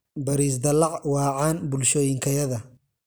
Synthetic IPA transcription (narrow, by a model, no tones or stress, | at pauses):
bɐɾiːs̬d̪ɐlɑʕwɑːʕɑːnbʊlʃɔːjɪŋkʰɐjɐðɐ